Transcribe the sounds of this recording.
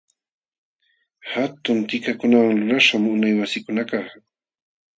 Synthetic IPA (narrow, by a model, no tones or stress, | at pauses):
hat̪ʊnt̪ɪkakʊnawaŋlʊɾaʃamʊnajwasɪkʊnakaχ